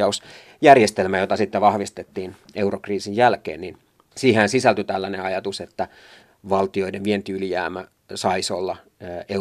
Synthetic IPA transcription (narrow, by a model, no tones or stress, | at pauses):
ɑus | jærjest̪elmæjot̪ɑsit̪ːeʋɑhʋist̪et̪ːiːn | eurokriːsijjælkḛːnnin | siːhæːnsisælt̪yt̪ælːæneɑjɑt̪uset̪ːæ | ʋɑlt̪io̞ideʋʋient̪iylijæ̰ːmæ | sɑisolːɑ | e